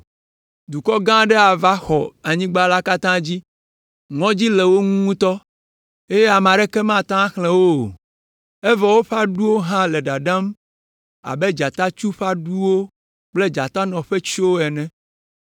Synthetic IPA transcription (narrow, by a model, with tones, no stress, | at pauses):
d̪u˨kɔ˦ɡã˦ɖɛ˦a˨va˦xɔ˨a˨ɲĩ˦ɡ͡ba˦la˦ka˦t̪ã˦d͡ʑi˦ | ŋɔ̃˦d͡ʑi˦lɛ˨wo˦ŋũ˦ŋũ˦t̪ɔ˦ | e˦je˦a˨m˨ã˨ɖɛ˦kɛ˦mã˦t̪ã˦xlɛ̃˦wo˦˨ | ɛ˦vɔ˨wo˦ɸa˦ɖu˦wo˦ɦã˦lɛ˨ɖa˨ɖã˦m | a̰˨bɛ˦d͡ʒa˨t̪a˦t͡ʃu˦ɸa˦ɖu˦wo˦ | k͡ple˦d͡ʒa˨t̪a˦nɔ̃˨ɸɛ˦t͡ʃwo˦ɛ˨nɛ̃˦